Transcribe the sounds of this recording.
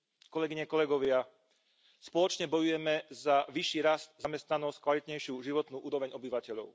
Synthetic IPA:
kɔlɛɡiɲɛkɔlɛɡɔʋɪa | spɔlɔt͡ʃɲɛbɔjujɛmɛzaʋiʃːiːɾast̪zamɛst̪nanɔsc̚kʋalit̪ɲɛjʃɪuʒiʋɔt̪nuːʔuːɾɔʋɛɲɔbiʋacɛʎɔʊ

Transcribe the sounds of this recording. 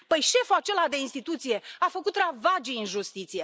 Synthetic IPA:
pəjʃe̞fuat͡ʃe̞lad̪e̞inst̪it̪ut̪sije̞afəkut̪ravad͡ʒiɨnʒust̪it̪sije̞

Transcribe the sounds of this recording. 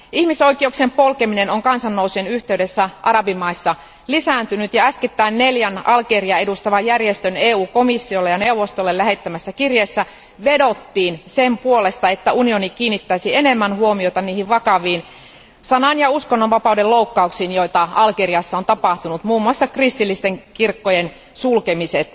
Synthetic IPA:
ʔihmiso̞ikieuksempolkemine̞noŋkɑnsɑnːousuenyht̪e̞yde̞sːæʔɑɾɑbimːɑisːɑ | lisænt̪ynyt̪jɑæsket̪ːæinneljænʔɑlkeriɑe̞dust̪ɑʋɑjærjest̪øneːuːko̞misːiolːejɑne̞uʋost̪olːellæɦe̞t̪ːæmæsːækirjeːsːæ | ʋe̞do̞t̪ːiːnsempuolest̪ɑet̪ːæunionikiːnːit̪ːæisienemːænhuomioit̪ɑniːhiʋʋɑkɑʋiːn | sɑnɑnjɑuskonːoʋʋɑpɑudelloukːɑuksiːnjoit̪ɑɑlkeriɑsːɑont̪ɑpɑht̪unut̪muːmːuɑsːɑkrist̪ilːist̪eŋkirkːojen | sulkemiset̪

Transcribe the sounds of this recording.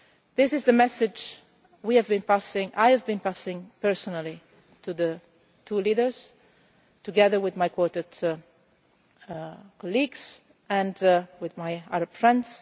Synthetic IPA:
ðɪsɪzðəmɛsɪd͡ʒ | wiævbĩnpasɪ̃ŋʔa̰jəvbĩnpasɪ̃ŋpɛ˞sɔnəlˠi | tʰuðə | tʰulidə˞z̥ | tuɡɛðə˞wɪðmajkʰwɔt̪ət | kɔliɡz̥ | ɨ̃ndwɪðmajaɾəb̥fɹɛ̃ndz̥

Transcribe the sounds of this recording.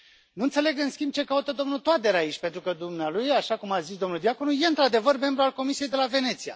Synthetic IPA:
nuɨnt̪se̞le̞ɡɨnskʲimb̚t͡ʃe̞kaut̪əd̪o̞mnult̪oat̪̚eɾaːit͡ʃʲpe̞nt̪ɾukəd̪umnealujaʃakumazisd̪o̞mnuld̪iako̞nuje̞ɨnt̪ɾad̪e̞vərme̞mbɾualko̞misijejd̪e̞lave̞ne̞t̪sija̰

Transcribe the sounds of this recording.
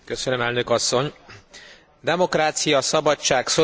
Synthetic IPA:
køsønømɛlnø̞kɒsːo̞ɲ | d̪ɛmo̞kraːt̪sijɒsɒbɒt͡ʃaːkso

